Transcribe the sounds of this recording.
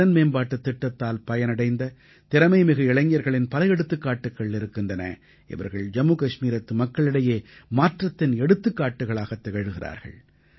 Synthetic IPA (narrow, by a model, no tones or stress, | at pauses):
ɐnmeːnbaːʈːɯt̪ːɪʈːɐt̪ːaːlpɐjɐnɐɽɐɪnd̪ɐ | t̪ɪɾɐmɐɪmɪɣɐɪɭɐŋjɐɾɣɐɭɪnpɐlɐjɛɽɯt̪ːɯkːaːʈːɯkːɐɭɪɾɯkːɪndrɐnɐ̰ | ʔɪ̰ʋɐ̰ɾɣɐɭd͡ʒɐmːuːkɐʂmiːɾɐt̪ːɯmɐkːɐɭɪɽɐjeːmaːʈrɐt̪ːɪnɛɽɯt̪ːɯkːaːʈːɯɣɐɭaːɣɐt̪ːɛɣɐɻɯɣɪrʔa̰ːɾɣɐ̰ɭ